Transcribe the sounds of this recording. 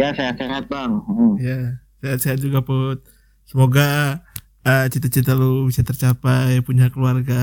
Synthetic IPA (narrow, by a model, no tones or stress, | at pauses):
jaseat̪seɦat̪̚baŋʔja | seɦat̪̚seɦat̪̚d͡ʒuɡaput̪̚ | səmoɡa | ət͡ʃit̪at͡ʃit̪alubisat̪ərt͡ʃapajpuɲakəluarɡa